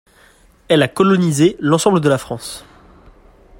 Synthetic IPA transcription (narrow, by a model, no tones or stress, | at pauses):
ɛlakɔlɔnizelɑ̃sɑ̃bləd̪əlafχɑ̃s